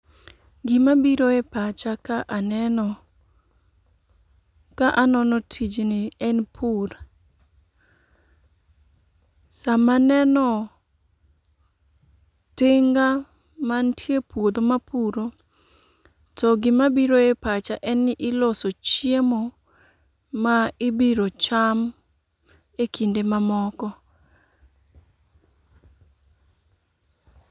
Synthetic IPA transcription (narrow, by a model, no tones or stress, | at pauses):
ɡɪmabiɾoepat͡ʃakaʔanɛnɔ | kaʔanɔnɔtʰid͡ʒnɪɛnpʰuɾa | samanɛnɔ | tɪŋɡa | mantʰjepwod̪omapʰuɾo | tɔɡɪmabiɾoepat͡ʃaʔɛnɪʔɪlosot͡ʃjemɔ | aɪbiɾot͡ʃam | ekindemamɔkɔ